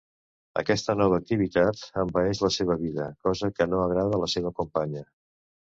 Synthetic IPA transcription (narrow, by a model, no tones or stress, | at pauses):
ə̰kɛst̪ənɔβ̞əːk̚t̪iβ̞it̪at̪əmbəɛʃləseβ̞əβiðəkɔzəkənoəɣɾaðələseβ̞əkumpaɲə